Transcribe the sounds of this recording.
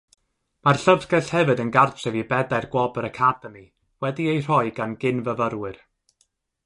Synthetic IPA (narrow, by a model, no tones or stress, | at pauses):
marɬəvsɡɛɬhɛvɨdənɡartʰɛvibɛdajrɡwɔbəɾəkʰadɛmi | wɛdiejr̥ɔɨɡanɡɪnvəvəɾwɨr